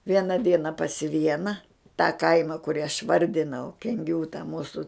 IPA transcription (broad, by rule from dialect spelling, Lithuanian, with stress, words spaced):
ˈʋʲiɛnɐ ˈdʲiɛnɐ pɐs ˈʋʲiɛnɐ tɑː ˈkɐɪmɐ kʊˈrʲiː ɐʃ ˈʋɐrʲdʲɪnɐʊ kʲɛŋʲˈɡʲuː tɐ ˈmuːsʊ